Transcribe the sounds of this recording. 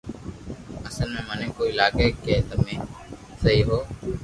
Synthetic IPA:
əsəlmẽːmənẽːkoːɪlaːkeːkeːt̪əmẽːsəɦiːɦoː

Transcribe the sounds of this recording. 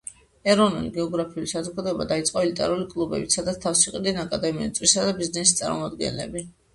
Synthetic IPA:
ɛɾɔnṵliɡɛɔɡɾapʰiulisazɔɡad̪ɔɛba̰d̪ait̪sʼqʼɔɛlit̪ʼɛ̰ɾulikʼlˠubɛ̰bit̪sʰad̪at̪st̪ʰafsiqʼid̪ɛnakʼad̪ɛmist̪ʼvisad̪abiznɛsist̪sʼa̰ɾmɔ̰mad̪ɡɛ̰nlɛ̰bi

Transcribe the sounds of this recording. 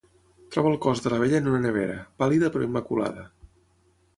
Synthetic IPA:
t̪ɾɔβəːlˠkɔzðələβeʎənunənəβ̞eɾəpaliðəpɾɔimːəkula̰ðə

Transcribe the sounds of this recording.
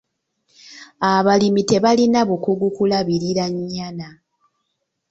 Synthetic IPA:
aβalimite̞βalinaβukuɡukulaβiɾiɾaɲːana

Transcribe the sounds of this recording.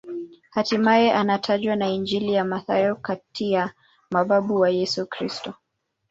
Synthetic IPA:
hatimaɛʔanatʰaʄwanaind͡ʒilijamaθajɔkatija | maɓaɓuwajɛsukɾistɔ

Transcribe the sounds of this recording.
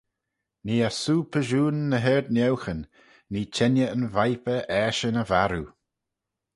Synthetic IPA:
niːasuːpʰəʒuːnːəɦɛɹd̪nɛwxənː | iːt͡ʃʰɛnjəənvajpəʔɛːʃənəvaɾu

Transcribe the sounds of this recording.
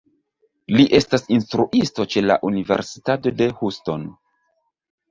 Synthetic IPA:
liʔe̞stasinstɾuʔisto̞t͡ʃe̞la̰ʔunive̞̰ɾsi̥tato̞de̞husto̞n

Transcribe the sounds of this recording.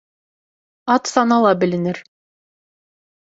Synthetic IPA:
ɑt̪sɑnɑlˠɑbɘ̆lɘ̆nɘɾ

